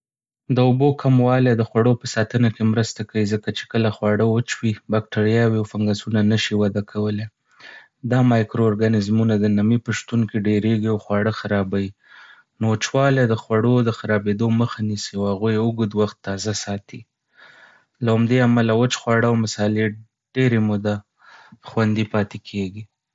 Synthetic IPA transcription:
d̪əʊbokʰamwɑljad̪əxwaɽopəsɑt̪ənakemɾəst̪akawizəkat͡ʃe̥kəlaxwɑɽəwət͡ʃwibɑk̚ʈaɾjɑwiawfaŋɡasunanəʃiwad̪akʰawəle | d̪ɑmɑjkɾoːɾɡanɪzmunad̪ənamipəʃt̪unkeɖeɾeɡiawxwɑɽəxaɾɑbaji | not͡ʃwɑled̪əxwaɽod̪əxaɾɑbed̪oməxanisiawhaɣujeəɡud̪waxt̪ːɑzasɑt̪i | laamd̪eamalawət͡ʃxwɑɽəawmɪsɑle | ɖ̥eɾemʊd̪a | xwand̪ipɑt̪ekʰeɡi

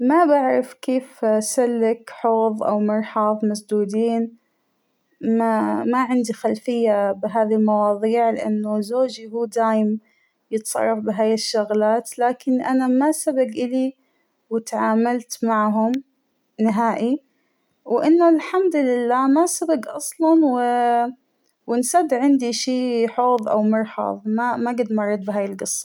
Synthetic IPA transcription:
mabaʕɾɪfkeːfsalːɪkħoːðˤʔa̰wmɑɾˤħɑðˤmasd̪uːd̪iːn | mamaʕɪnd̪ixalfɪjːabɪɦaːðilmɑwɑːðˤiːʕlɪ̰ʔa̰nːʊzoːd͡ʒihuːd̪aːjɪm | jɪt̪sˤɑ̰rˤːɑfbɪɦaːjɪʃːʊɣlaːt̪laːkɪnʔanamasabaɡʔɪli | wɪt̪aʕaːmalt̪maʕɦʊm | nɪɦaːʔi | wʔɪnːʊlħamd̪lɪlːaːmasabaɡʔɑsˤlɑnwɪ | wɪnsad̪ʕɪnd̪iʃiːħoːðˤʔa̰wmʊɾˤħɑ̰ðˤmamaɡɪd̪mɑrˤːɑd̪̚ˤbɪɦaːjɪlɡɨsˤːɑ̥

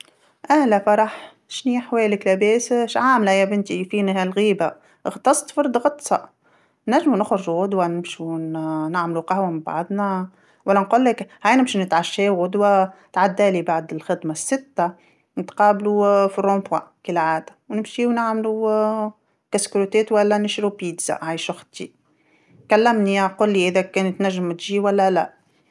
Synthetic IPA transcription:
ʔæːlæfɑɾˤɑħ | ʃniːħwɛːlɪklæbɛːsʃʕaːmlhɪjːæbɪnt̪ifiːnihælɣiːba | ʔɣt̪ˤɑsˤt̪ˤfɑɾd̪ˤɣɑt̪ˤsˤɑʔ | næʒːmunʊxɾʊʒɣʊd̪ˤwanɪmʃunɪʕmluqahwamɪmbɑ̰ʕd̪ˤna | wælːænquːlːɪkhajnɪmʃinɪt̪ʕaʃːɛːɣʊd̪wat̪ʕad̪ːæːlibaʕd̪ɪlxɪd̪masːɪt̪ːa | nɪt̪qɑːblufirˤːõːmpwakɪlʕaːd̪ḁwnɪmʃiwnɪʕmlu | kaskɾut̪eːt̪wælːænɪʃɾupiːd̪za̰ʔʕajʃʊxt̪i | kalːæmniquːlːiʔɪðækeːnt̪næʒːɪmt̪ʒiːwælːælæ̰

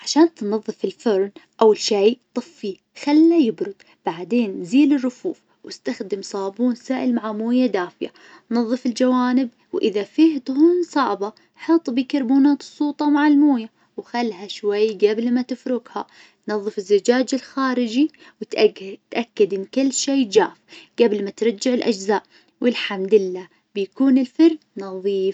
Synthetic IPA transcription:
ʕaʃaːnt̪nɑðˤːɨfɪlfɪɾˤnʔawɪlʃejt̪ˤɨfːi | xalːajɪbɾʊd̪̚ | b̥aʕd̪eːnːziːlɪrːʊfuːf | wɪst̪axd̪ɪmsˤɑːbuːnsaːʔɪlmaʕamoːjad̪aːfɪja̰ | nnɑðˤːɨfɪld͡ʒawaːnɪb̚ | wʔɪðafiːht̪ˤʊhuːnsˤɑʕbɑ | ħɑt̪ˤbiːkɑɾˤbuːnaːt̪ɨsˤːuːt̪ˤɑmaʕalmoːja | wxalːɦaʃwajːɡablmat̪ɪfɾʊɡha̰ | nɑðˤːɨfɪzːɪd͡ʒaːd͡ʒɪlxaːɾɪd͡ʒi | wɪt̪t̪ʔakːad̪ʔɪnːkʊlːʃeːd͡ʒaːfɡ̥ablmat̪ɾˤɑd͡ʒːɪʕɪlʔa̰d͡ʒzaːʔ | wʔɪlħamd̪ɪlːaː | b̥ɪjakuːnɪlfɑɾ | nɑðˤiːf

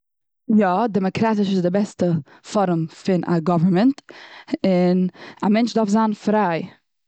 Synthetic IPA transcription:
jɔdɛmɔkɾatɪʃɪzdɪbɛstə | fɔɾʊmfɪnʔa̰ɡɔvəɾmənt | ɪnamɛnt͡ʃdafzanfɾaɪ

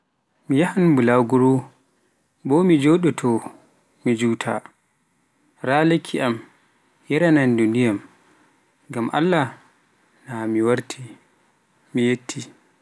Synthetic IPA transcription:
mijahanbulawɡuɾu | bɔmid͡ʒoɗɛtʰɔ | mid͡ʒuːtʰa̰ | ɾalekʰːiʔam | jɛɾanandundijam | ɡamʔa̰lːa | namiwaɾtʰi | mijetʰːi

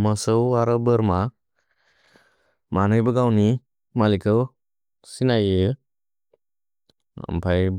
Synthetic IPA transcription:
məsɯwaɾɯbɯɾma | manɯjbaɡawni | malikʰɯw | sinajɯ | a̰mpʰajb

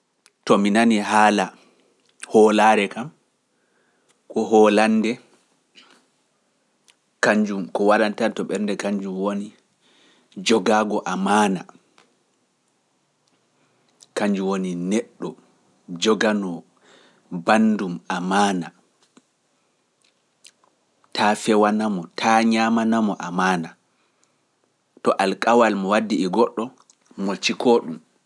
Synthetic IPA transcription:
tɔminaniɦaːla | hɔlaːɾɛkam | kɔɦɔlandɛ | kaɲd͡ʒumkɔwaɗantantɔɓɛɾndɛkaɲd͡ʒumwoni | d͡ʒɔɡaːɡɔʔamaːna̰ | kaɲd͡ʒuwoninɛɗːɔ | d͡ʒɔɡanɔ | bandumamaːna | tʰafɛwanamɔtʰaɲamanamɔʔamaːna | tɔʔalkʼawalmɔwadːiɛɡɔɗːɔ | mɔt͡ʃikʰɔɗum

